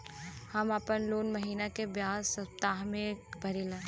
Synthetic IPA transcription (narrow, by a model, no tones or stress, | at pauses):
hɐmɐpənloːnmɐɦiːnakebjaːzsəpt̪aːɦmẽbʱɐɾile